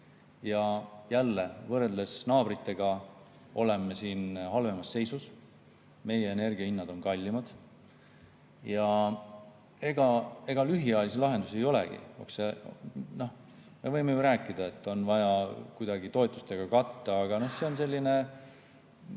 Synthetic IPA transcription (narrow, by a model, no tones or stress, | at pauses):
jɑjælːe̞vɤrd̪esnɑːbrit̪ːˑe̞ɡ̥ɑ | o̞le̞mːesiːnɦɑlve̞mɑsːe̞jsus | me̞jeene̞rɡ̥iɑinːɑd̪̥o̞nkɑlʲːimɑd̪̥ | jɑ | e̞ɡ̥ɑe̞ɡ̥ɑlyɦiɑjɑlis̬elɑɦe̞nd̪̥use̞jo̞lḛɡ̥ḭo̰kseno̞h | me̞vɤjmejuɾæːkːˑid̪̥ɑe̞t̪ːˑo̞nvɑjɑkujd̪̥ɑɡit̪o̞et̪ːˑust̪e̞ɡ̥ɑkɑt̪ːɑːɡ̥ɑno̞hse̞onse̞lʲːine̞